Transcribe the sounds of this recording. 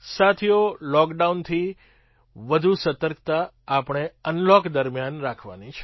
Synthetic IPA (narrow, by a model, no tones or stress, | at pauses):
sat̪ʰijolɔkɖaunt̪ʰi | ʋəd̪ʱusət̪əɾkt̪aː | pəɳ̃eənlɔkd̪əɾmjanɾakʰʋa̰nit͡ʃʰe̥